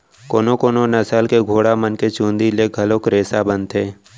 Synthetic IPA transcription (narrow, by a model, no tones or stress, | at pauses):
koːnokoːnonɐsəlkeɡʱoːɽamənket͡ʃũːnd̪ileɡʱɐlokɾeːsabə̃nt̪eː